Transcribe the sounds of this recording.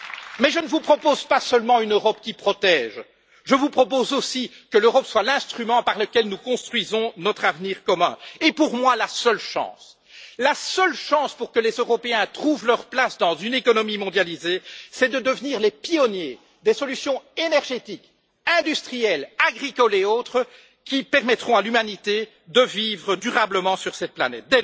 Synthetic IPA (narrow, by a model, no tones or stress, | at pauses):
mɛʒənəvupχɔpozpasəlmɑ̃ynøʁɔp̚kʲipχɔt̪ɛːʒ | ʒəvupχɔp̬ozosi | kəløʁɔpswalɛ̃st̪χymɑ̃paʁləkʲɛlnukɔ̃st̪χɥizɔ̃nɔt̪χavniːʁkɔmɛ̰̃epuʁmwalasœlʃɑ̰̃s | lasəlʃɑ̃spuʁkəlezøʁɔpeɛ̃t̪χuvlœʁplasd̪ɑ̃zynekɔnɔmimɔ̃d̪jalizesɛd̪əd̪əvniːʁlɛpiɔnje | d̪esɔlysjɔ̃enɛʁʒet̪ik | ɛ̃d̪yst̪χijɛlaɡʁikɔleoːt̪χə | kʲipɛʁmɛt̪χɔ̃alymanit̪e | d̪əviːvʁəd̪yʁabləmɑ̃syʁsɛt̪̚planɛ̰t̪̚d̪ɛ